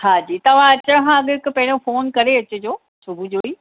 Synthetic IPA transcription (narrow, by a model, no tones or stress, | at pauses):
haːd͡ʑiːt̪ɐʋ̤ãɐt͡ɕəɽ̃kãɐɠɪkʊpɐ̃ɦɪɽ̃õfoːnkɐɾeɐt͡ɕʊd͡ʑoː | sʊbʱud͡ʑoiː